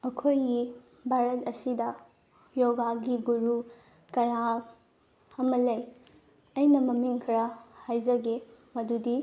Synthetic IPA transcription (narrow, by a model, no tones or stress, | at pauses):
ɐkʰojɡi | bʱaɾɐtɐsidɐ | joɡaɡiɡuɾu | kɐja | ɐmɐlɐj | ɐjnɐmɐmiŋkʰɾɐhajzɐɡemɐdudi